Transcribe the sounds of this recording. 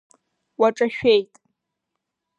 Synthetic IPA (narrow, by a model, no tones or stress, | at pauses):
waʈ͡ʂʼaʃᶣejtʼ